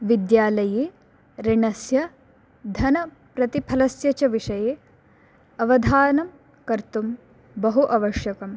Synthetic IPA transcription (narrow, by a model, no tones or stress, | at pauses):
ʋid̪jaːlɐjeː | ɾiɳɐsjɐ | d̪ʱɐnɐ | pɾɐt̪ipʰɐlɐsjɐt͡ʃɐʋiʂɐjeː | ɐʋɐd̪ʱaːnɐm | kɐɾt̪um | bɐɦuʔɐʋɐʂjɐkɐm